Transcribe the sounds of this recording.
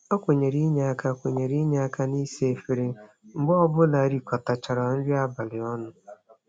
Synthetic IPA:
o˦kʷe˨ɲe˨ɾi˦ɲe˨a˦ka˦˨kʷe˨ɲe˨ɾi˦ɲe˨a˦ka˦ni˦se˦˨fi˨ɾe˨ | ŋ͡m̩˨ɡ͡bɔ˦bʊ˦la˨ɾi˨kɔ˨ta˨t͡ʃa˨ɾa˨n̩˦ɾi˦a˦ba˨lɪ˨ɔ˦nʊ˨

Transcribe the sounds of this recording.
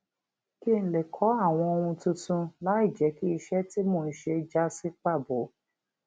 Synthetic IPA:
ki˦˨n̩˨le˨kʰɔ˨˦a˦˨w̃ɔ̃˧o˧wũ˧tũ˧tũ˧la˨˦i˦˨d͡ʒɛ˨˦ki˦i˧ʃɛ˦ti˦mõː˦˨n̩˨˦ʃe˧d͡ʒa˦si˦k͡pa˦˨bo˨˦

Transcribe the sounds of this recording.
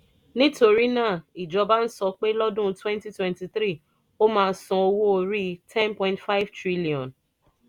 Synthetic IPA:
nĩ˦to˧ɾi˦nãː˦˨i˨d͡ʒɔ˧ba˦n̩˦sɔ˧k͡pe˦lɔ˦dũ˦twɛ̃˦nti˦twɛ̃˦nti˨θɾi˦˨ | o˦mãː˧n̩˦sɔ̃˧o˧wo˦o˧ɾi˦tʰɛ̃˦npɔ̃˨ĩntfa˦ɪ˦vtɾi˦li˨ɔ̃˨n

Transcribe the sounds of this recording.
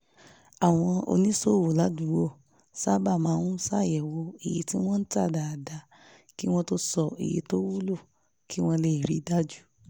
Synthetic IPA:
a˨w̃ɔ̃˧o̰˧nĩ˦so˦˨wo˨la˨˦du˨˦wo˦˨ | sa˦ba˦˨mãː˨˧˦ũ˦sa˦˨jɛ˨wo˧i˨je˨˦ti˦w̃ɔ̃˦n̩˦ta˦˨da˨da˨ | ki˦w̃ɔ̃˦to˦sɔ˦˨ḭ˨jḛ˨˧˦to˦wu˦lo˦˨ | ki˦w̃ɔ̃˧le˧˨i˨ɾi˨˦da˦d͡ʒu˦

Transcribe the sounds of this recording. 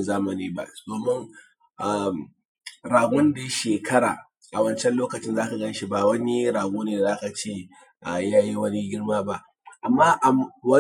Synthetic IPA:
zaː˦mɐ˨niː˦ba̰˦ʔdoː˨mɪ˦ŋ | ʔa˨m | ɽaː˨ɡʷʊ˦nda˨ja˦ʃeː˨kʰɐ˦ɽa̰ː˨ | ʔa˨wɐ˦nt͡ʃɛ˦nloː˦kɐ˨t͡ʃɪ˦nzaː˦ka˨ɡɐ˦nʃi˦ba˨wɐ˦ni˦ɾaː˨ɡʷoː˦neː˨a˨zaː˦ka˨t͡ʃeː˦˨ | ʔa˨jaː˦ji˦wɐ˦ni˦ɡʲɪ˦ɽmaː˦ba˦ʔ | ʔa˨mːaː˦ʔa˨wɐ˦

